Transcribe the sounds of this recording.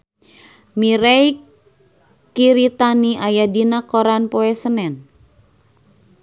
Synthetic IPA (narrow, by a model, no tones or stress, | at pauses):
miɾɛj | kiɾit̪aniajadinakoɾanpoɛsənɛn